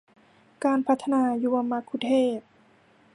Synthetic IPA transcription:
kaː˧npʰa˦˥t̪ʰːa˧naː˧juː˧a˧mːa˧˥kʰːu˧t̪ʰeː˥˩p̚

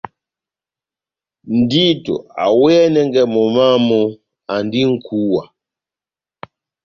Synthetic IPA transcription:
n̩˨di˦tṵ˨a̰˨wɛ˦ɛ˦nɛ˦ŋɡɛ˨mɔ˨ma˦mɔ˦ | a˨ndi˦ŋ̩˦kʰu˦wa˨

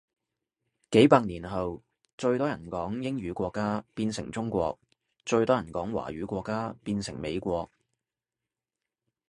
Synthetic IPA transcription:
ke˨˥jpaː˧k̚niː˨˩nɦɐ˨w | t͡ʃɵ˧ɥt̪ɔː˥jɐ˨˩nkɔː˨˥ŋjɪ˥ŋɥyː˨˥kʷɔː˧kːaː˥piː˧nsɪ˨˩ŋt͡sʊ˥ŋkʷɔ̰ː˧k̚ | t͡ʃɵ˧ɥt̪ɔː˥jɐ˨˩nkɔː˨˥ŋwa̰ː˨˩ɥyː˨˥kʷɔː˧kːaː˥piː˧nsɪ˨˩ŋme˨˧jkʷɔː˧k̚

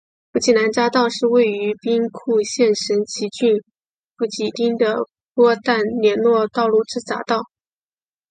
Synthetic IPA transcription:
pu˥˩t͡ɕʰi˥˩na˧˥nt͡ɕa˥t̪ɑ˥˧ʊʂɻ̩˥˧we˥˩ɪy˧˥pi˥ŋkʰu˥˧ɕjɛ˥˩nʂə˧˥nt͡ɕʰi˧˥t͡ɕy˥˩n | pu˧˥˩t͡ɕi˨˩t̪i˥ŋd̪ə˨ | pwɔ˥t̪a˥˩nljɛ˧˥nlwɔ˥˧t̪ɑ˥˧ʊlu˥˩ʈ͡ʂɻ̩˥t͡sa̰˧˥t̪ɑ˥˩ʊ

